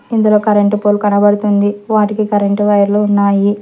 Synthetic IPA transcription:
ind̪ulo̞ːkɐɾɐɳʈupoːlukɐnɐbɐɽut̪und̪iʋaːʈikikɐɾɐɳʈʋɐjɐɾloːunːaːji

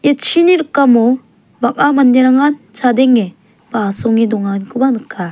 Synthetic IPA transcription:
jet͡ʃʰiniɾɯkːamɔ | bak̚amanːeɾaŋant͡ʃad̪eŋːe | b̥asɔŋid̪ɔŋankʰɯbanɯkʰːa

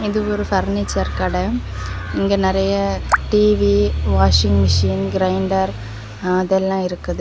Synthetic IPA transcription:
iðɯoɾɯfɐrnit͡ɕːɐrkɐɽe | iŋɡenɐrɐjɐʈiːʋiʋaːʂɪŋɡmɪʂiːnɡɾɐjɳɖɐr | ɐðɛlːãːɪɾɯkːɐðɯ

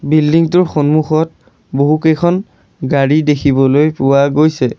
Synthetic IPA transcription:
bildiŋtʊɹxɔnmuxɔt̚ | boɦukejkʰɔn | ɡaɹidekʰibɔlojpʊwaɡojsɛ

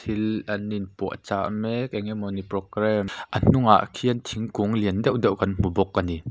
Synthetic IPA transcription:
ilʔɐnːinpuəʔt͡saʔmɛkɛŋemɔniprɔkɾɛmʔən̥uŋa̰ʔkʰiənt̪ʰiŋkuŋliəndɛwʔdɛwkɐnm̥ubɔk̚ːɐni

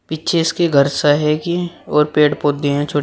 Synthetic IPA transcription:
pitːt͡ʃʰeɪskeɡʱɐɾsaɦɛkiɔːɾpeːʈpoːd̪iɦɛ̃t͡ʃʰoː

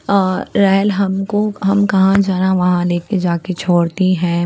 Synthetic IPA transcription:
ɾɛːlɦɐmkoɦɐmkɐɦãd͡ʒaːnaʋɐɦãleːked͡ʒaːket͡ʃʰoːɽt̪iɦɛ̃ː

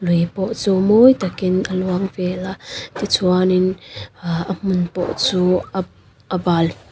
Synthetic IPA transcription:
lujpɔʔt͡suːmojt̪akɪnʔəluaŋvɛlat̪it͡sʰuanin | ʔəm̥ʊnpɔ̰ʔt͡suː | ʔəbal

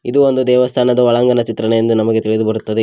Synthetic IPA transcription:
id̪uo̞nd̪ud̪ɛːʋɐst̪ʰaːnɐd̪ɐʋɐɭaːŋɡɐnɐt͡ʃit̪ɾɐɳejend̪unɐmɐɡe̞t̪iɭid̪ubɐɾut̪ːɐd̪e

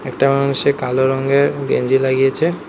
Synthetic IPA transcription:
ɛk̚ʈamanuʃekaloɾɔŋɡeɾɡḛɲd͡ʑilaɡijet͡ɕʰe

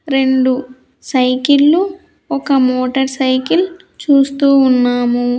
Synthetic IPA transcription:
ɾe̞ɳɖu | sɐjkilːu | ɔkɐmoːʈɐɾsɐjkil | t͡ʃuːst̪uːnːaːmu

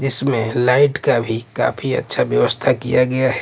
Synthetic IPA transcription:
d͡ʒɪsmẽlaɪʈkabʱika̰ːpʰiə̰tːʃʰabjəʋəst̪ʰakijaɡɐjaɦɛ

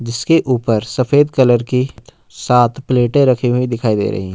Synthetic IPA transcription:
d͡ʒɪskeʔuːpəɾsɐfeːd̪kɐləɾkit̪ | saːt̪ʰpleːʈẽɾɐkʰiɦuĩd̪ɪkʰaːid̪ḛːɾɐ̰ɦḭɦɛ̃

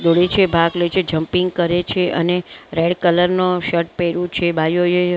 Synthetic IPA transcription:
d̪oɽet͡ʃʰebʱaɡlet͡ʃʰed͡ʒəmpiŋɡ̚kəɾet͡ʃʰeʔə̰neɾeɖkələɾnoʃəʈ̚peɾũt͡ʃʰebʱajoje

